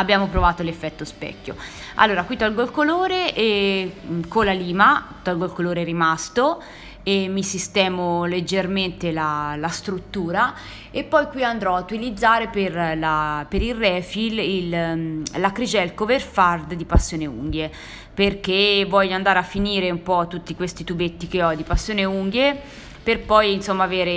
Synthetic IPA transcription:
abjaːmopɾovaːt̪olefːɛt̪ːospɛ̰kːo̰ | a̰lːoːɾakwit̪ːɔlɡolkoloːɾeʔɛ | kolːaliːmat̪ɔlɡolkoloːɾeɛɾimast̪o | emːisist̪ɛːmoled͡ʒːerment̪elalast̪ɾut̪ːuːɾa | epːɔjkwiand̪ɾɔaut̪ːilid̪zːaːɾeperlapeɾilrːɛːfilillakɾid͡ʒɛlkoverfard̪d̪ipasːjoːneṵŋɡje | perkevːɔʎːoand̪aːɾeafːiniːɾeumpɔt̪ːut̪ːikwest̪it̪ubet̪ːikeɔd̪ipasːjoːneuŋɡje | perpɔjinsomːaveːɾe

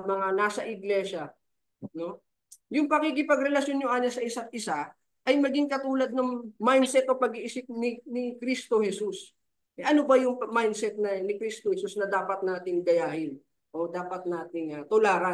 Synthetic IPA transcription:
mɐŋanaːsɐʔɪɡlɛːʃɐ | no̞ | jʊŋpɐkikɪpɐɡɾɛlɐʃjo̞nɲoʔaːnɐsɐʔɪsat̪̚ʔɪsa | ʔɐjmɐɡiŋkɐt̪uːlɐd̪̚nɐŋmajnsɛt̪opɐɡiʔɪsɪp̚nɪnɪkɾist̪o̞hɛsus | ʔɛʔɐnobɐjʊŋmajnd̪sɛt̪̚nɐnɪkɾist̪ohɛsusnɐd̪aːpɐt̪̚naːt̪ɪŋd̪ɐjaːhɪn | ʔod̪aːpɐt̪̚naːt̪ɪŋɐt̪olaːɾa

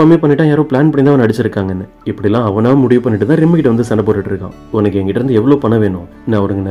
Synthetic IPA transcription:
ameːpɐɳːɪʈːãːjaːɾõːpɭaːnpɐɳɪnd̪ãːʋnɐɽɪt͡ʃːɪɾɯkːaːŋɡɐɛnːɐ | ɪpːɐɽɪɛlːãːɐʋɐnaːmʊɽɪʋɯpɐnːɪʈːɯt̪ãːɾɪmːɐkɪʈːɐʋɐnd̪ɯsɐɳːɐpːoːʈːɯʈːɪɾɯkːã̰ː | ɔnɐkːɯɛŋɡɐkɪʈːɐɾɯnd̪ɯɛʋːɐɭoːpɐɳːɐʋeːnʊ̃ | nːãːɔɾɐŋɡɐnɐ

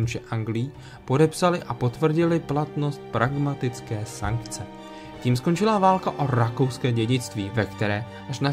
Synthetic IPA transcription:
nʒɛʔaŋɡlɪjiː | po̞dɛpsalɪʔapo̞t̪vr̩ɟɪlɪplat̪no̞st̪̚pɾaɡmat̪ɪt͡skɛːsa̰ŋkt͡sɛ | ciːmsko̞nt͡ʃɪlavaːlkaʔo̞ɾako̞wskɛːɟɛɟɪt͡st̪viːvɛkt̪ɛɾɛː | ʔaʃna

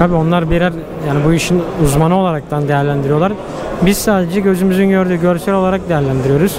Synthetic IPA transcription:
t̪ʰabio̞nlˠaɾbiɾæɾ | jaːnibuiʃinuzmanɯolˠaɾak̚t̪ʰand̪e̞jæɾlʲænd̪iɾijo̞lˠaɾ | biz̥saːd̪ed͡ʒɛɟø̞zymyzynɟø̞ɾd̪yːɟøɾsælʲo̞lˠaɾak̚d̪e̞jæɾlʲænd̪iɾijo̞ɾuz̥

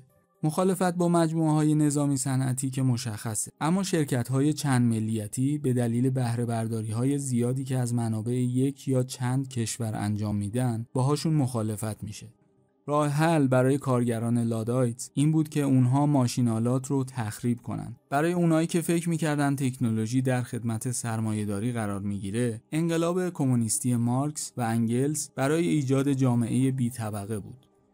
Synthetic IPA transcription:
mo̞xɒːle̞fæt̪̚bɒːmæd͡ʒmuːeɦɒːje̞ne̞zɒːmiːsænʔæ̰t̪ʰiːcʰe̞mo̞ʃæxːæseʔæmːɒːʃe̞ɾcʰæt̪ɦɒːje̞t͡ʃʰænd̪me̞lːijæt̪ʰiːbe̞d̪æliːle̞bæhɾe̞bæɾd̪ɒːɾiːɦɒːje̞zijɒːd̪iːcʰeæzmænɒːbe̞ʔeje̞cʰjɒːt͡ʃʰænd̪̚cʰe̞ʃvæɾæ̰nd͡ʒɒːmːiːd̪ænd̪bɛːɦɒːʃunmo̞xɒːle̞fæt̪ʰmiːʃe̞ | rɒːheɦælbæɾɒːje̞kʰɒːɾɟæɾɒːne̞lɒːd̪ɒjt̪sʔiːnbuːd̪cʰe̞uːnɦɒːmɒːʃinɒːlɒːt̪ʰrot̪ʰæxɾiːbkʰo̞̰nʔæ̰nd̪̥b̥æɾɒːje̞unhɒːiːcʰe̞fe̞cʰɾmiːcʰæɾd̪ænd̪t̪ʰe̞cʰnolo̞ʒiːd̪æɾxe̞d̪mæt̪ʰe̞sæɾmɒːje̞d̪ɒːɾiːɣæɾɒːɾmiɟiːɾe̞eŋɢe̞lɒːbe̞kʰo̞munist̪ije̞mɒɾksvææŋɟe̞lsb̥æɾɒːje̞iːd͡ʒɒːd̪e̞d͡ʒɒːme̞̰ʔe̞je̞biːt̪ʰæbæɣe̞bṵːd̪̥

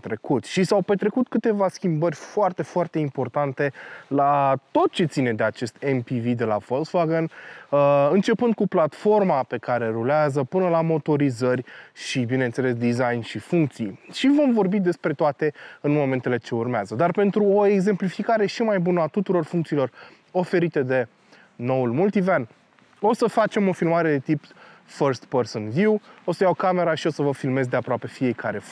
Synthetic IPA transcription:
t̪ɾe̞kut̪ʃisawpe̞t̪ɾe̞kut̪kɨt̪e̞vaskʲimbərʲfoart̪e̞foart̪e̞impo̞rt̪ant̪e̞lat̪o̞t̪̚t͡ʃe̞t̪sine̞d̪e̞at͡ʃe̞st̪ʰenpivid̪e̞la̰folsvaɡən | ɨnt͡ʃe̞pɨnd̪̚kuplat̪fo̞rmape̞kaɾe̞ɾuleazəpɨnəlamo̞t̪o̞ɾizərʲʃibine̞nt̪se̞les̬d̪izajnʃifuŋk̚t̪sijʃivo̞mvo̞rbid̪e̞spɾe̞t̪oat̪e̞ɨnmo̞me̞nt̪e̞le̞t͡ʃe̞urmeazəd̪arpe̞nt̪ɾuoe̞ɡze̞mplifikaɾe̞ʃimajbunəat̪ut̪uɾo̞rfuŋkt̪silo̞r | o̞fe̞ɾit̪e̞d̪e̞ | no̞ulmult̪ivan | o̞səfat͡ʃe̞mo̞filmaɾe̞d̪e̞t̪ipfərst̪personvjuo̞səjawkame̞ɾaʃio̞səvəfilme̞zd̪e̞apɾoape̞fije̞kʰaɾe̞

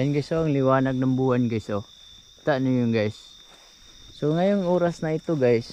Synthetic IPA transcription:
anɡisoaŋlɪwaːnaɡ̚naŋbuːanɡiso | t̪aʔnʊjʊŋɡajs | oŋajʊŋoːɾasnaɪt̪oɡajs

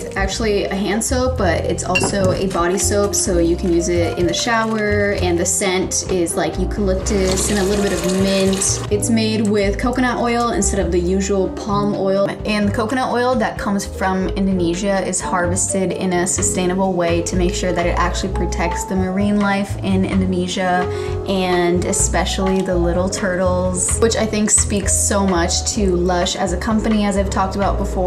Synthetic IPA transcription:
zæk̚t͡ʃʉl̩ˠiɨɦæ̃nd̥soʊp̚b̥ʌɾɪ̰tsɔ̰lˠsoʊʔɨ̰bɑɾisoʊpsoʊjɨkʰn̩jʉzɪɾɪ̰̃nðɨʃaʊə˞ɨ̃nðɨsɛ̃ntɪzlaɪkjɨkʰədˡlʊk̚tʰɨsɨ̃ñəlɪɾl̩ˠbɪɾʌvmɪ̃ntɨtsmeɪd̚wɪð̥kʰoʊkɨñɑɾʔɔɪlˠɨ̰̃nstɛɾʌvðɨjʉʒəwl̩ˠpʰɑlˠmɔɪlˠʔɨ̃nðɨkʰoʊkɨñɑɾʔɔɪlˠðɨt̚kʰʌ̃mz̥fɹʌ̃mɪ̃ndɨniʒɨɪz̥hɑɹvɨstɪɾɪ̰̃nɨsɨstẽɪ̃nəbl̩ˠweɪɾɨmeɪkʃʊɹðɨɾɨɾʔæ̰k̚t͡ʃʉl̩ˠipʰɹ̥ɨtʰɛk̚tsðɨmə˞ĩnlaɪfɪ̃nɪ̰̃ndɨniʒɨ | ʔɨ̃nɨspɛʃl̩ˠiðəlɪɾl̩ˠtʰɜ˞ɾl̩ˠz̥wɨt͡ʃaɪθɪ̃ŋkspiksoʊmʌt͡ʃtʰɨlʌʃɨzɨkʰʌ̃mpɨniɨzaɪv̥tʰɔk̚təbaʊt̚b̥əfɔ

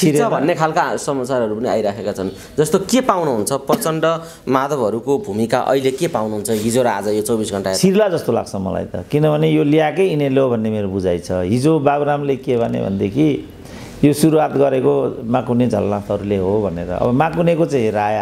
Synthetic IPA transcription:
t͡sʰiɾʰʌbʱʌnːekʰalkasʌmat͡saɾʌɾupʌnia̰jɾakʰekat͡sʰʌn | d͡zʌst̪okepawnuɦunt͡sʰʌprʌt͡sʌɳɖʌ | mad̪ʱʌbɦʌɾukobʱumika̰ʔʌ̰ilekepawnuɦunt͡sʰʌɦid͡zoɾaa̰d͡zʌjot͡sʌwbisɡʱʌɳʈat͡sʰiɾlad͡zʌst̪ola̰ɡt͡sʰʌmʌ̰la̰jt̪ʌ̰kinʌbʱʌnejolijakʌjineleobʱʌnːemeɾobud͡zajt͡sʰʌɦid͡zobabɾamlekebʱanḛbʱʌ̰nd̪ekʰi | josuɾuɦat̪ɡʌɾekomakuned͡zʱʌlːãt̪ʰʌɾuleɦobʱʌnḛɾʌ̰ʌ̰bʌmakunekot͡sãĩɾaja

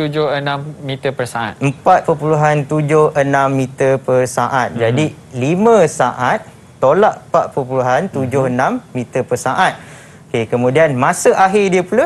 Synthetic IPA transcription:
t̪ud͡ʒʊhənãmːit̪əpərsaa̰t̪əmpat̪̚pəpuluɦant̪ud͡ʒʊhənãmːit̪əpərsaʔat̪̚d͡ʒadi | limə̃saʔat̪̚ː | olaʔpaʔ̪̚pərpuluɦant̪ud͡ʒʊhənãmːit̪əpərsaʔat̪̚ | okekəmũdianmãsəʔaɦɪdiəpula

